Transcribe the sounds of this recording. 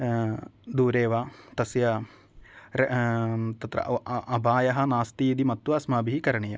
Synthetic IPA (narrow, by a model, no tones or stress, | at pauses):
d̪uːɾeːʋaːt̪ɐsjɐ | ɾ | t̪ɐt̪ɾɐ̰ʔɐbʱaːjɐɦɐnaːst̪iid̪imɐt̪ːʋɐːsmaːbiɦikɐɾɐɳijɐ̰